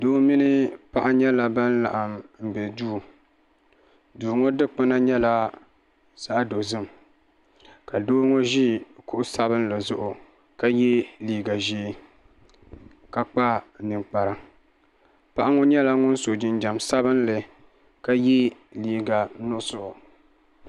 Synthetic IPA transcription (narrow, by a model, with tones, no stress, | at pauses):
doː˦mi˦nɨ˦pa˦ʔa˦ɲɛ˦la˨ba˦n˦la̰˨ʔa˨mm̩˨bɛ˨d͡ʒuː˦˨ | duː˨ŋɔ˦dɨ˦k͡pɨ˦na˦ɲɛ˦la˦ | sa˦ʔdo˨zɨ˦m | ka˨doː˦ŋɔ˦ʒi˦kʊ˦ʔʊ˦sa˦bɨ˦nlɨ˨zʊ˦ʔʊ˨ | ka˦jɛ˦liː˦ɡa˨ʒe˦ | ka˦k͡pa˦˨nɨ˨ŋk͡pa˨ɾa˨ | pa˦ʔa˦ŋɔ˦ɲɛ˦la˦ŋʊ˦n˦so˨d͡ʒɪ˦nd͡ʒa˨msa˦βɨ˦nlɨ˨ | ka˦jɛ˦liː˦ɡa˨nʊ˦sʊ˦ʔʊ˨